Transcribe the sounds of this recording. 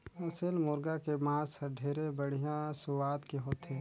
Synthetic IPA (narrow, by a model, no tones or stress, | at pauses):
ɐsəlmʊɾɡakemãːsɐɖʱeːɾebəɽ̤ijãsʊʋaːd̪keɦoːt̪ʰeː